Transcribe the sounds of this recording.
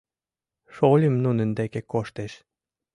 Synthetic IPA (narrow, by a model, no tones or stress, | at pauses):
ʃolʲimnunə̆nd̪ekekoʃt̪eʃ